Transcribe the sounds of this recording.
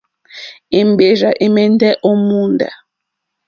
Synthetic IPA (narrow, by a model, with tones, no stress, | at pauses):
i˨m˨be˨ʒa˨ʔi˦mɛ˦n˦dɛ˦ʔo˦mu˦nda̰˨